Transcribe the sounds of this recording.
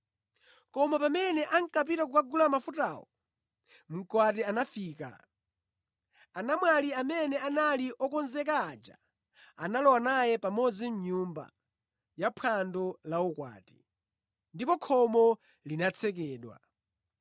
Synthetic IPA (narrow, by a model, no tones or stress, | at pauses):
kɔmapamɛnɛʔaŋkap̬iɾak̬ukaɡulamafutawɔ | m̩kwatɛanafiːka̰ | anamwaliamɛnɛanaliʔɔkɔnzɛkaːd͡ʒa̰ | analɔwanajɛpamɔd͡zinɲumba̰ | japʰandɔlaɔkwa̰ːti̥ | ndipɔkʰɔmɔ | linat͡sʰɛk̬ɛːɗwa̰